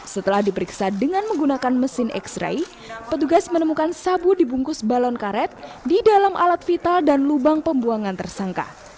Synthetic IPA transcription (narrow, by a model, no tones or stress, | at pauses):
sət̪əlahdipəɾiksadəŋanməŋɡunakanməsɪnʔɛ̰ksɾa̰j | pət̪uɡasmənəmukansabudibuŋkʊsbalɔnkaɾɛt̪̚didalamʔa̰lat̪fit̪aldanlubaŋpəmbuaŋant̪ərsaŋka̰